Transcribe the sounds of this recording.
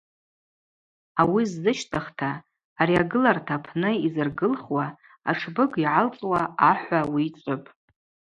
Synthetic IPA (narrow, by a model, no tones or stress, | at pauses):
awizːɨʃtʼɨχtʰaː | ɾiaɡɨlartʰapʰnɨizɨrɡɨlχwa | a̰ʈ͡ʂʰbɨɡiʕalt͡sʼwaaħʷawiːt͡sʷʼʊpʼ